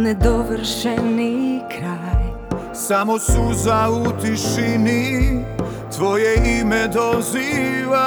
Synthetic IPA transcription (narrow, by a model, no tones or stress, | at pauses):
nɛd̪oʋrʃɛnikɾaj | samosuzaut̪iʃini | t̪ʋojɛimɛd̪oziʋa